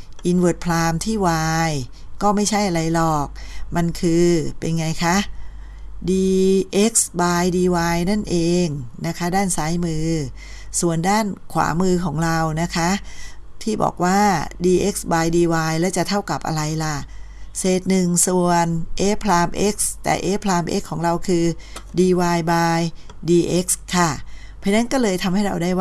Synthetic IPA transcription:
ʔi˧nwɯ˨˩ət̪̚pʰlaː˧mt̪ʰiː˥˩waː˧j | kɔː˥˩ma˥˩jt͡ɕʰa˥˩jʔa˧ɾa˧jlɔː˨˩k̚ma˧nkʰɯː˧pe˧nŋa˧jkʰa˦˥ʔ | diː˧ʔe˦˥k̚sbaː˧jdiː˧waː˧jna˥˩nʔeː˧ŋna˦˥kʰa˦˥daː˥˩nsaː˦˥jmɯː˧ | su˨˩əndaː˥˩nkʰwa̰ː˩˦mɯː˧kʰɔː˩˦ŋɾa˧wna˦˥kʰa˦˥ʔt̪ʰiː˥˩bɔ̰ː˨˩k̚waː˥˩diː˧ʔe˦˥k̚sbaː˧jdiː˧waː˧jlɛ˦˥wt͡ɕa˨˩ʔt̪ʰa˥˩wka˨˩p̚ʔa̰˧ɾa˧jla˨˩ʔ | seː˨˩t̪̚nɯ˨˩ŋsu˨˩ənʔeː˦˥pʰlaː˧mʔe˦˥k̚st̪ɛ̰ː˨˩ʔeː˦˥pʰlaː˧mʔḛ˦˥kʰːɔː˩˦ŋɾa˧wkʰɯː˧diː˧waː˧jbaː˧j | diː˧ʔe˦˥k̚skʰa˥˩pʰa˧na˦˥nkɔː˥˩lɤː˧jt̪ʰa˧mha˥˩jɾa̰˧wdaː˥˩jw

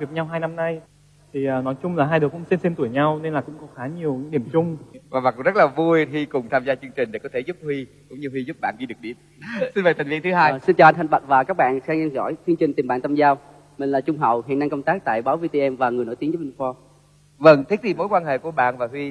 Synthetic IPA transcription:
vi˨˩ək̚ɲa˧wɦaː˧jna˧mna˧j | t̪ʰi˨˩əː˨˩nɔ˨˦jt͡ɕʊ˧ŋ͡mlaː˨˩ɦaː˧jɗkʊ̰˧˥ŋ͡mse˧nse˧mt̪u˧˩əjɲa˧wne˧nlaː˨˩kʊ̰˧˥ŋ͡mkɔ˨˦xaː˨˦ɲi˨˩əwɗi˧˩əmt͡ɕʊ˧ŋ͡mvaː˨˩ɓaː˨˩kŋ͡mzə˦˥laː˨˩vu˧jhi˧kʊ˨˩ŋ͡mt̪ʰaː˧mzaː˧t͡ɕɨ˧ŋt͡ɕï˨˩ŋ̟ɗe˧˩kɔ˨˦t̪e˧˩zʊ˦˥p̚hwi˧ | kʊ̰˧˥ŋ͡mɲɨ˧hwi˧zʊ˦˥p̚ɓa̰ː˧˨nɗi˧ɗɨ˨˩əɗi˧˩əm | si˧nvəː˨˩t̪ʰa˨˩ŋvḭ˧ənt̪ɨ˨˦ɦaː˧jsi˧nt͡ɕaː˨˩ʔa˧na˨˩ŋ̟ɓa̰˨˩t̚vaː˨˩kaː˦˥k̚ɓa̰ː˧˨nxaː˧ŋa˧ŋzɔ̰˧˥˨jt̪ʰɨ˧əŋt͡ɕï˨˩ŋ̟t̪i˨˩mɓa̰ː˧˨nt̪ʰaː˧mzaː˧w | mï̟˨˩laː˨˩t͡ɕʊ˧ŋ͡mɦə̰˧˨whḭ˨˧˨ənːa˧ŋkə˧ŋ͡mt̪aː˦˥k̚t̪a̰ː˧˨jɓaː˨˦wvi˧t̪e˧ʔɛ˧mvaː˨˩ŋɨ˨˩jno˧˥˦t̪i˨˦t͡ɕə˨˦ɓi˧fɔ˧ | və˧ŋt̪ʰi˦˥k̚t̪i˨˩mo˧˦jkwaː˧nɦḛ˧˨ku˧˩əɓa̰ː˧˨nvaː˨˩hwi˧

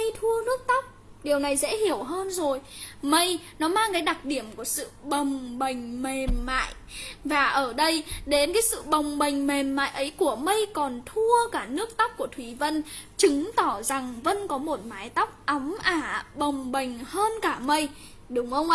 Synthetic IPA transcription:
ə˧jt̪ʰu˧ənɨ˦˥ək̚t̪a˦˥wk͡p̚ | ɗi˨˩əwna˨˩jzɛ̰˧˥hi˧˩əwɦəː˧nzo˨˩jmə˧j | nɔ˨˦maː˧ŋkaː˨˦jɗa˨˩k̚ɗi˧˩əmku˧˩əsɨ̰˧˨ɓə˨˩wŋ͡mɓə˨˩ŋ̟me˨˩mːa̰ː˧˨jʔ | vaː˨˩ʔəː˧˩ɗə˧jɗe˨˦nkaː˨˦jsɨ̰˧˨ɓə˨˩wŋ͡mɓə˨˩ŋ̟me˨˩mːa̰ː˧˨jʔə˨˦jku˧˩əmə˧jkɔ˨˩nt̪ʰu˧əkaː˧˩nɨ˦˥ək̚t̪a˦˥wk͡p̚ku˧˩ət̪ʰwi˨˦və˧n | t͡ɕɨ˨˦ŋt̪ɔ˧˩za˨˩ŋvə˧˥nkɔ˨˦mo˨˩t̚maː˨˦jt̪a˦˥wk͡p̚ʔə˨˦mʔaː˧˩ɓə˨˩wŋ͡mɓə˨˩ŋ̟həː˧nkaː˧˩mə˧j | ɗʊ˨˦ŋ͡mʔə˧wŋ͡mʔ

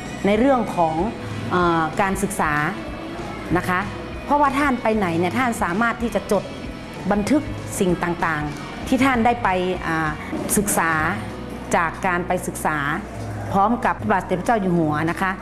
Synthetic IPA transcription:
na˧˩jɾɯ˥˩əŋkʰɔː˩˦ŋ | ʔɤː˧˩kaː˨˧nsɯ˨˧˩k̚saː˩˦ | na˧˥kʰa˦˥ | pʰɔ˧waː˧˩t̪ʰaː˧˥˨npa˧jna˨˩˦jni˧˩ɐt̪ʰaː˥˩nsaː˨˩˦maː˧˥˩t̪ʰːiː˥˩t͡ɕa˧˦t͡ɕo˧˩t̪̚ | ba˧nt̪ʰɯ˧˥k̚ | si˨˩ŋt̪aː˨˩ŋt̪aː˨˩ŋ | t̪ʰiː˧˩t̪ʰaː˧˥˩ndaː˥˩jpa˨˧jʔaː˨˩ | sɯ˧˩k̚saː˩˦ | t͡ɕaː˨˩kːaː˨˧npa˧jsɯ˧˦k̚saː˩˦ | pʰɔː˦˥˨mka˧p̚baː˧˨˩sa˧te˨˩pʰːt͡ɕa˥˩wjuː˨˩mu˨˩˦ɐna˧˥kʰa˦˧˥

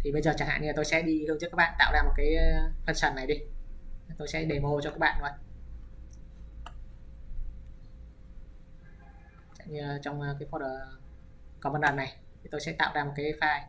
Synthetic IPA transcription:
t̪ʰi˨˩ɓə˧jzəː˨˩t͡ɕaː˧˩ŋha̰ː˧˨niː˧˨˩t̪o˧jsɛ̰˧˥ɗi˧ɨ˧əŋɨ˦˥kːaː˦˥k̚ɓ̰aː˧˨t̪a̰ː˧˨wzaː˧o˨˩t̚kaː˨˦jfə˧˩nsə˨˩nːa˨˩jɗi˧˨˩ | t̪o˧jsɛ̰˧˥ɗe˨˩mo˧t͡ɕɔ˧kaː˦˥k̚ɓa̰ː˧˨n˨˦ | t͡ɕa̰˧˨ɲi˧˩t͡ɕɔ˧wŋ͡mkaː˨˦jfɔ˧˩əː˨˩ | kɔ˨˦ɓə˧nləː˨˩nːa˨˩jt̪ʰi˨˩t̪o˧jsɛ̰˧˥t̪a̰ː˧˨wzaː˧m˨˩t̚kaː˨˦jfaː˧j

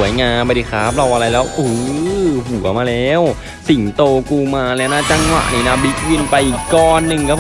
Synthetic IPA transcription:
əjŋaː˧ma˧di˧˩kʰaː˦˥p̚la˧wʔa˧ɾa˧jlɛː˦˥wʔuː˧˩hu˩˦ɐmaː˧lɛː˦˥w | si˨˩˦ŋt̪oː˧kuː˧maː˧lɛː˦˥wna˦˥t͡ɕa˧ŋwa̰˨˩ʔniː˧˩na˦˥bi˦˥k̚wi˧npa˧jʔiː˨˩kːɔː˧nːɯ˨˩ŋkaː˧˥˩pʰ

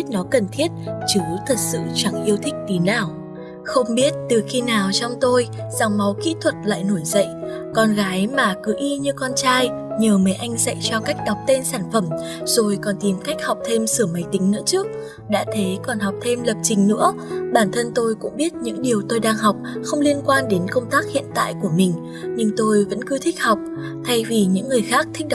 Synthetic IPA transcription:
i˦˥t̚nɔ˨˦kə˨˩nt̪ʰi˦˥ət̚t͡ɕɨ˨˦t̪ʰə˨˩t̚sɨ̰˧˨t͡ɕa˧˩ŋʔi˧əwt̪ʰï˦˥k̟̚t̪i˨˦nːaː˨˩w | xə˧wŋ͡mɓi˦˥ət̚t̪ɨ˨˩xi˧naː˨˩wt͡ɕɔ˧wŋ͡mt̪o˧j | za̰˨˩ŋŋ͡mma˨˦wkḭ˧˥t̪ʰwə˨˩t̚la̰ː˧˨jno˧˩jzə̰˧˨j | kɔ˧nɣaː˨˦jmaː˨˩kɨ˨˦ʔi˧ɲɨ˧kɔ˧nt͡ɕaː˧jɲəː˨˩mə˨˦jʔa˧jŋ̟za̰˧˨jt͡ɕɔ˧ka˦˥jk̟̚ɗa˨˩wk͡p̚t̪e˧nsaː˧˩nfə˧˩m | zo˨˩jkɔ˨˩nt̪i˨˩mka˦˥jk̚ha˨˩wk͡p̚t̪ʰe˧msɨ˧˩əmə˨˦jt̪ï˨˦ŋ̟nɨ̰˧˥ət͡ɕɨ˦˥ək̚ | ɗa̰ː˧˥t̪ʰe˨˦kɔ˨˩nɦa˨˩wk͡p̚t̪ʰe˧mlə˨˩p̚t͡ɕï˨˩ŋ̟nɨ̰˧˥əɓaː˧˩nt̪ʰə˧nt̪o˧jkʊ̰˧˥ŋ͡mɓi˦˥ət̚ɲɨ̰˧˥ŋɗi˨˩əwt̪o˧jɗaː˧ŋɦa˨˩wk͡p̚xə˧wŋ͡mli˧ənkwaː˧nɗe˨˦nkə˧wŋ͡mt̪aː˦˥k̚hḭ˧˨ənt̪a̰ː˧˨jku˧˩əmï˨˩ŋ̟ | ɲɨ˧ŋt̪o˧jvə̰˧˥nkɨ˧t̪ʰï˦˥k̟̚ha˨˩wk͡p̚ | t̪ʰa˧jvi˨˩ɲɨ̰˧˥ŋːɨ˨˩əjxaː˦˥k̚t̪ʰï˦˥k̟̚ɗ

